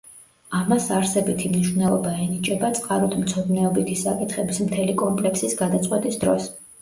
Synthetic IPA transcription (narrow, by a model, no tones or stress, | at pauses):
amasaɾsɛbit̪ʰimniʃvnɛlˠɔbaɛnit͡ʃʼɛbat̪sʼqʼaɾɔt̪ʰmt̪sʰɔd̪nɛɔbit̪ʰisakʼit̪ʰχɛbismt̪ʰɛlikʼɔmpʼlɛksisɡad̪at̪sʼqʼwɛt̪ʼisd̪ɾɔs